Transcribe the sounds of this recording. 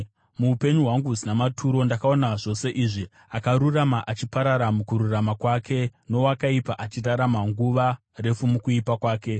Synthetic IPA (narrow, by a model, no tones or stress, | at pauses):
muːpe̞ɲuɦwaŋɡuzinamatʰuɾo̞ndakao̞naʐo̞se̞ʔiːʐi | akaɾuramaʔat͡ʃipaɾaɾamukuɾuramakwaːkʰe̞no̞wakaipaʔat͡ʃiraɾamaŋɡuʋa | re̞fumukuipakwaːke̞